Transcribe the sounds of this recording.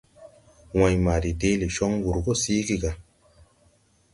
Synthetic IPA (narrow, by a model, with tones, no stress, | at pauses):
wã˨jma˨ɾi˨de˦li˨ʃɔ˦ŋɡu˨ɾɡo˦siː˦ɡi˦ɡa˨